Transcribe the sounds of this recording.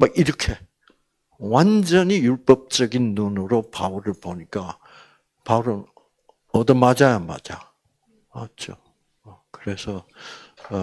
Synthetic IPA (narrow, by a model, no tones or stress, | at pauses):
maɡiɾʌkʰe̞ | wand͡ʑʌɲijuɭp͈ʌp̚t͡ɕ͈ʌɡinːunɯɾopauɾɯɭpoɲik͈a | pauɾɯn | ʌdʌmad͡ʑajama̰d͡ʑa | at͡ɕo | kɯɾe̞sʰʌ